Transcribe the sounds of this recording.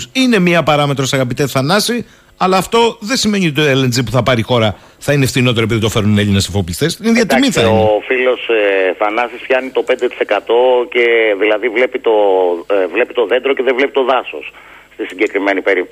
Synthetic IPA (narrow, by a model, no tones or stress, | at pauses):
sine̞miɐpɐɾɐme̞t̪ɾo̞sɐɣɐp̬it̪eθɐnɐsi | ɐlɐːft̪o̞ðe̞sime̞ɲiot̪oelenzip̬uθɐpɐɾixo̞ɾɐ | θɐinefθino̞t̪e̞ɾop̬iðit̪ofe̞ɾuneʎinesifoplist̪esinðɐt̪imiθɐofilo̞sθɐnɐsispçɐnit̪o̞pe̞nd̪et̪i̥se̞kɐt̪o̞ce̞ðilɐðivle̞pit̪o | vle̞pit̪o̞ðe̞nd̪ɾoceðevle̞pit̪o̞ðɐso̰s | st̪isiɟe̞kɾime̞nipe̞ɾip̚t̪